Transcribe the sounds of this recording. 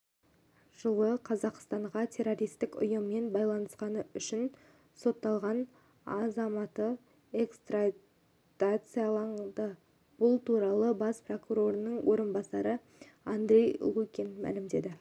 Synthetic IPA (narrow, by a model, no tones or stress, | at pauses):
ʒ̥əlˠəqʰɑzɑqst̪ɑɴʁɑt̪ʲʰe̞ɾo̞ɾʲijst̪ɪkʊ̰jəmːe̞nbɑjlˠɑnəsqɑnəʏʃɪn | so̞t̪ːɑlˠʁɑn | ɑzɑmɑt̪ə | e̞kst̪ra | t̪at̪sɨjɑlˠɑɴd̪ə | b̥ʊlˠt̪ʰuɾɑlˠəbɑspro̞kuɾo̞ɾənəɴwo̞ɾənbɑsɑɾə | and̪ɾʲe̞jlˠukʲenmæ̰lɪmd̪e̞d̪ɪ